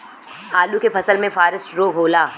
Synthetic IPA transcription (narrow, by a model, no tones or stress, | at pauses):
haːlukepʰɐsəlmẽfaːɾɪsʈɾoːɡʱɦoːlaː